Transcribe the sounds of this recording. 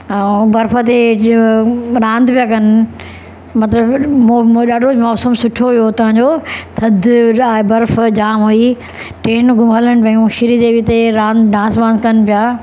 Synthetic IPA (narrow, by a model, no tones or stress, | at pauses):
bɐɾfət̪̬e | ɾãːnd̪pijakɐn̆ | mɐt̪ləb | ɗaːɖʱomɔːsəmsʊʈʰoʋijot̪ɐʋãɲd͡ʑoːt̪ʰɐd̪ʱaːɦebɐɾfd͡ʑaːmɦui | ʈeːnɡʊmələñɪ̆pɐ̃ũʃɪɾid̪eːʋit̪eɾãːnd̪ɖãːsbãːnzkɐnpɪjaː